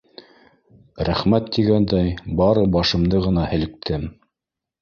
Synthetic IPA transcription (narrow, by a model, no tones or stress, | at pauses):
ɾæχmæt̪ːiɡænd̪æjbɑɾɤbɑʃɤ̆md̪ɤʁɤ̆nɑhɘ̆lɘ̆k̚t̪ʰɘm